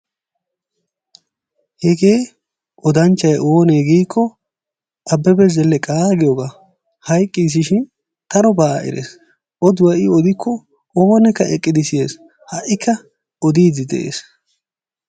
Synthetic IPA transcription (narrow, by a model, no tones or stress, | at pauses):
hɛɡe̞ː | ʔɔd̪ɐnt͡ʃːɐjʔoːneɡiːkʰːɔ | ʔɐbːɛbɛzɛlːɛkʼaːɡɪjɔɡaː | hɐjkʼːis̬ɪʃɪn | t̪ɐɾɔbaːɪ̰ɾḛs | ʔɔd̪ʊwɐʔɪɔd̪ɪkʰːɔ | oːnɛkːɐʔɛkʼːɪd̪ɪsɪjeːs | hɐʔɪkʰːɐ | ɔd̪iːd̪ɪd̪ɛ̰ʔḛːs